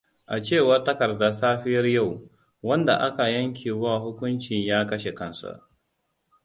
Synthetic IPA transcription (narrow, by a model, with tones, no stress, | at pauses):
ʔa˨t͡ʃeː˦˨wɐ˦tɐ˦kɐ˨rda˨saː˦ɸɪ˦jɐ˦rja˦˨w | wɐ˦nda˨ʔa˦ka˨jɐ˦ŋk̬ʲiː˨waː˦˨hʊ˦kʷʊ˦nt͡ʃɪ˨ɲjaː˦kɐ˦ʃe˨kɐ˦nsa̰˨ʔ